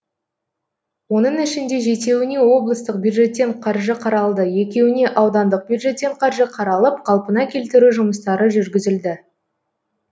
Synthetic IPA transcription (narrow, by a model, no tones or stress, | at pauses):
wo̞nəɴɪʃɪnd̪e̞ʒe̞t̪̬e̞wɪne̞wo̞blˠəst̪əq̚bʲjud̪ʒe̞t̪ːe̞ɴqʰɑɾʒəqʰɑɾɑlˠd̪əje̞kʲe̞wɪne̞ʔɑwd̪ɑnd̪əq̚bjud̪ʒe̞t̪ːe̞ɴqʰɑɾʒəqʰɑɾɑlˠəp̚qʰɑlˠpənɑkʲʰe̞lt̪ɪɾuʒʊməst̪ɑɾəʒʏɾɡʲɪzɪld̪ɪ